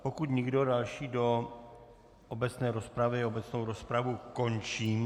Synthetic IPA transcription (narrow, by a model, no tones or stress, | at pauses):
pokut̪ɲɪɡdo̞dalʃiːdo̞ | ʔobɛt͡snɛːɾospɾavɪobɛt͡snowɾospɾavuko̞nt͡ʃiːm